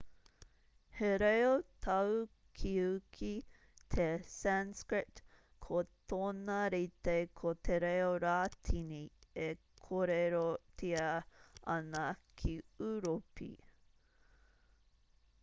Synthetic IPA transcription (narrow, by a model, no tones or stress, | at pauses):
heɾejot̪ʰɐw | kʰiukʰi | t̪ʰesænskɹɪt | kʰot̪ʰoːnɐɾit̪ekʰot̪ʰeɾejoɾaːt̪ʰinie | kʰoɾeɾotʰiɐɐnɐkʰiuɾopḭ